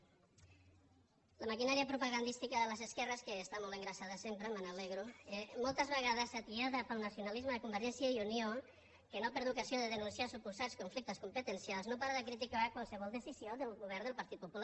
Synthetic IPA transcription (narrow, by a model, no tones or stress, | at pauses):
ləmakinaɾiəpɾupaɣand̪ist̪ikəðələzəskɛrəskəːst̪amolˠt̪eŋɡɾəsaðəsempɾəmənaleɣɾuemolˠt̪əzβəɣaðəsat̪iaðəpəlˠnəsjunalizməðəkumbəɾʒɛnsjəiunjo | kənopəɾðukazioðəðənunsiasupuzaskuɱflik̚t̪əskumpət̪ənsjalˠznopaɾaðəkɾit̪̬ikakwalˠsəβɔlˠd̪əsizjoðəlˠɣuβ̞ɛrnd̪əlˠpɐɾt̪it̪̚pupula